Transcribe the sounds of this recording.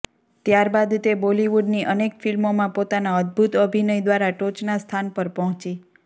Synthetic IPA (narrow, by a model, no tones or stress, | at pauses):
t̪jaɾbad̪t̪eboliʋuɖniʔənekfilmomãpot̪anaəd̪̚bʱut̪əbʱinəjd̪ʋaɾaʈot͡ʃnast̪ʰanpəɾpɔɦɔ̃t͡ʃi